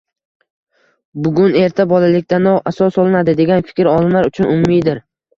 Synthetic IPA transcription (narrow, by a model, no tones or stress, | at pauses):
bʊɡʲʊne̞ɾt̪ʰabɒlalɪkʲt̪anɒʔasɒsɒlˠɪnad̪ɪd̪e̞ɡʲanfɪ̥kʲɾɒlˠɪnlaɾʊt͡ʃʰʊnʔʊmʊːijd̪ɪɾ